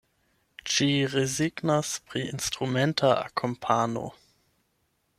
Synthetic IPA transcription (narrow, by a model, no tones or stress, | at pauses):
ʃiʁeziɡnaspʁiinstʁumɛntʰaʔa̰kʰompʰano̰